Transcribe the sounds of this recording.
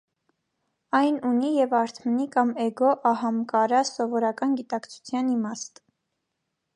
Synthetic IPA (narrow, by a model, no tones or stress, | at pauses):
ɑjnunijɛvɑɾt̪ʰmənikɑmɛɡɔʔɑhɑmkɑɾɑsɔvɔɾɑkɑnɡit̪ɑkt͡sʰu̥t͡sʰjɑnimɑst̪